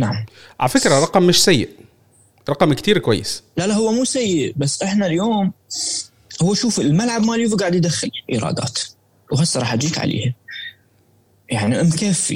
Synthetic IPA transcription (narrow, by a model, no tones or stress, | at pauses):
naʕamʕalæfɪkɾæɾˤɑqɑmːɪʃsæjːɪʔ | ɾˤɑqɑmkt̪iːɾkwæ̰jːɪslalahʊwːæmuːsajːɪʔbasːʔɪħnaljoːm | hʊwːæʃuːfɪlmalʕab̚maːljuːfɡaːʕd̪jɪd̪axːɪlʔḭɾˤɑ̰ːd̪ɑ̰ːt̪ | wɦasˤːɑɾˤɑːħad͡ʒiːk̪ʕa̰lʔḛːha | jaʕniʔɪmkaːfḭ